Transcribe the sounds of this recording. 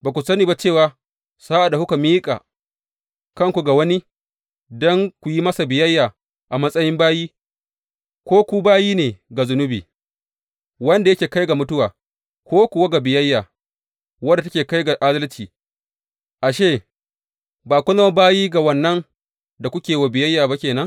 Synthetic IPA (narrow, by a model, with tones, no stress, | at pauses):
baː˨kʷu˨sɐ˦niː˨ba˦t͡ʃeː˦˨waː˨ | saː˦ʔa˨da˨hʊ˦ka˨miː˦kʼa̰ː˨ | kɐ˦ŋkʷu˨ɡa˨wɐ˦ni˦ | dɔ˦ŋkʷu˨ji˦mɐ˦sa˨bɪ˨jɐ˦jːaː˨ | ʔa˨mɐ˦sʼɐ˦jɪ˦mbaː˦jiː˦ | kʷoː˦kʷu˦baː˦jiː˦neː˨ɡa˨zʊ˦nʊ˦bḭː˨ | wɐ˦nda˨jɐ˦kʲeː˨ka˦jɡa˨mʊ˦tʊ˦waː˨ | kʷoː˦kʷu˨wa˦ɡa˨bɪ˨jɐ˦jːaː˨ | wɐ˦da˨a˦kʲeː˨ka˦jɡa˨ʔa˦zɐ˦lt͡ʃiː˨ | ʔa˨ʃeː˦˨ | baː˨kʷʊ˦nɐ˦a˦baː˦jiː˦ɡa˨wɐ˨nːɐ˦ŋ | da˨kʷʊ˦kʲeː˨wa˨bɪ˨jɐ˦jːaː˨ba˦kʲeː˨nɐ˦ŋ